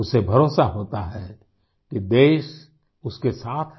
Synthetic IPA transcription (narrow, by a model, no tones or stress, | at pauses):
ʊsebʱɐɾoːsaɦoːt̪aɦɛ | kid̪eːʃ | ʊskesaːt̪ʰ